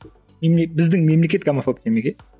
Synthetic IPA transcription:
memlebɨzd̪ɨŋmemliket̪̚ɡamapʰop̚emleket̪̚

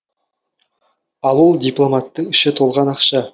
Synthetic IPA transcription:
ɑlˠwolˠd̪ijplˠo̞mɑt̪ːəɴɪʃɪt̪ʰo̞lˠʁɑnɑqʃɑ

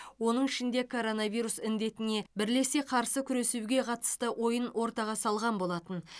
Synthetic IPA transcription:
wo̞nəɴɪʃɪnd̪e̞kʰo̞ɾo̞navijɾusɪnd̪e̞t̪ɪne̞bɪɾle̞seqʰɑɾsəkʲʰʏɾe̞suɡʲe̞qʰɑt̪ə̥st̪əwʔo̞jənwʔo̞ɾt̪ɑʁɑsɑlˠʁɑnbo̞lˠɑt̪ən

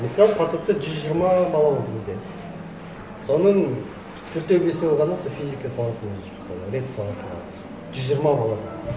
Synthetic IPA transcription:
məsɑlˠəpʰɑt̪op̚t̪əʒʏzʒiɾmɑbɑlˠɑbod̪əɡəzd̪e | so̞nəɴ | t̪ʰʏɾt̪ewbesɪbolˠʁɑnɑsofʲijzikɑsɑlˠɑsənd̪ɑʒʏɾmɪsɑ̰lˠəɾʲe̞t̪sɑlˠɑsənd̪ɑ̰ | ʒʏzʒiəɾmɑbɑlˠɑd̪ə

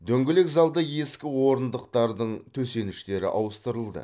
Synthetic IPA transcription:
d̪ɵŋɡʲɪlekzɑlˠd̪əje̞skʲɪwo̞ɾənd̪əqt̪ɑɾd̪əɴt̪ʰɵse̞nɪʃt̪e̞ɾɪ̰ʔɑwəst̪əɾəlˠd̪ə̰

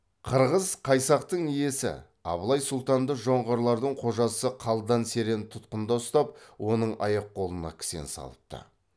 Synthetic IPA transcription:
qʰəɾʁəzqʰɑjsɑqt̪əɴije̞sɪ̰ | ɑ̰blˠɑjsʊlˠt̪ɑnd̪əʒo̞ɴʁɑɾlˠɑɾd̪əɴqʰo̞ʒɑsəqʰɑlˠd̪ɑnse̞ɾe̞nt̪ʰʊt̪qənd̪ɑʊst̪ɑp̚wʔo̞nəɴɑ̰jɑqqːo̞lˠənɑ̰kʲʰɪ̥sḛnsɑ̰lˠəp̚t̪ə̰

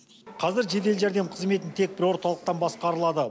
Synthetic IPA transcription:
qʰɑzɪɾʒe̞d̪e̞lʒæɾd̪e̞mqʰəzme̞t̪ɪnt̪ʰe̞k̚bɪɾwo̞ɾt̪ɑlˠəqt̪ɑnbɑsqɑɾəlˠɑd̪ə

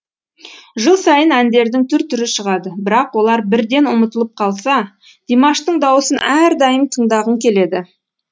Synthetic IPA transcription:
ʒəlˠsɑjənænd̪e̞ɾd̪ɪŋt̪ʰʏɾt̪ʰʏɾɪʃəʁɑd̪əbɪɾɑqwo̞lˠɑɾbɪɾd̪e̞nʊmət̪əlˠəp̚qʰɑlˠsɑ | d̪̥imɑʃt̪əɴd̪ɑwəsənʔæɾd̪ɑjəmt̪ʰəɴd̪ɑʁəŋkʲʰe̞le̞d̪ɪ

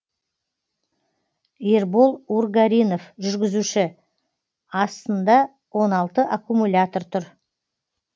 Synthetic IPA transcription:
eɾbolˠurɡaɾʲijno̞fʒʏɾɡʲɪzuʃɪ | ɑst̪ənd̪ɑ | wo̞nɑlˠt̪əʔakumulʲat̪o̞rt̪ʰʊɾ

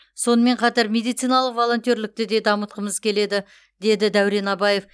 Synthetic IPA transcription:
so̞nəme̞ɴqʰɑt̪ɑɾmʲe̞d̪ijt̪sijnɑlˠəqvo̞lˠo̞nt̪ijoɾlɪk̚t̪ɪd̪e̞d̪ɑmət̪qəməzkʲʰe̞le̞d̪ɪ | d̪e̞d̪ɪd̪æwɾe̞nɑbɑje̞f

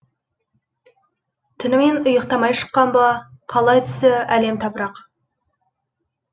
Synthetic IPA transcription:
t̪ʰɪnɪme̞nʊjəqt̪ɑmɑjʃə̥qːɑnbɑqʰɑlˠɑjt̪ʰʏ̥sɪæle̞mt̪ʰɑpɾɑq

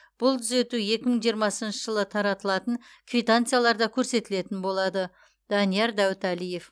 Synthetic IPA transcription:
b̥ʊlˠt̪ʰʏze̞t̪uje̞kʲɪməɴʒijəɾmɑsənʃəʒəlˠət̪ʰɑɾɑt̪əlˠɑt̪əŋ | kʰvʲijt̪ant̪sɨjalˠɑɾd̪ɑkʲʰɵɾse̞t̪ɪle̞t̪ɪnbo̞lˠɑd̪ə | d̪̥ɑnijɑɾd̪æwɪt̪ælije̞f

